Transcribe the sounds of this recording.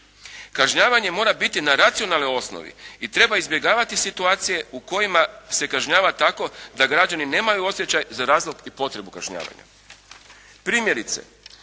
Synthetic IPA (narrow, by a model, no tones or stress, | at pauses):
kaʒɲaːʋaɲe̞mo̞ːɾabit̪inaɾat̪sio̞nalnio̞sno̰ʋḭit̪ɾe̞baizbje̞ɡaːʋat̪isit̪uaːt̪sije̞uko̞jimase̞kaʒɲaːʋat̪ako̞d̪aɡɾad͡ʑanine̞ːmajuo̞sje̞t͡ɕajzaɾaːzlˠo̞ɡipo̞t̪ɾe̞bukaʒɲa̰ːʋa̰ɲa̰ | pɾiːmje̞ɾit̪se̞̰